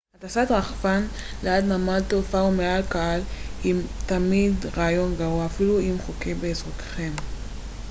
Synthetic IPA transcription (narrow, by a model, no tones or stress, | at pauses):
hatasat̪ʁaχfanlead̪namalt̪ofaumealkaalimtamidʁaːjo̞nɡaʁuaafiluimχokebeːzʁot̪e̥χe̞m